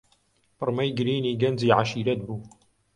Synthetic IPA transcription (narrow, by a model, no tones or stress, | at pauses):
pəɾˤmæjɡɾiniɡænziʕaʃiɾæt̪̚bu